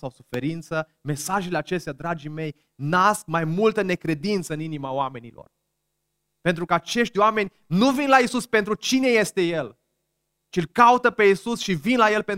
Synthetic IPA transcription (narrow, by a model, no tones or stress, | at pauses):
sawsufe̞ɾint̪sə | me̞saʒeleat͡ʃe̞st̪ead̪ɾad͡ʒime̞j | nask̚majmult̪əne̞kɾe̞d̪int̪səɨninimaoame̞nilo̰r | pe̞nt̪ɾukəat͡ʃe̞ʃt̪ʲoame̞nʲ | nuvinlaisuspe̞nt̪ɾut͡ʃine̞je̞st̪e̞je̞l | t͡ʃielkaut̪əpe̞isusʃivinlaje̞lpe̞n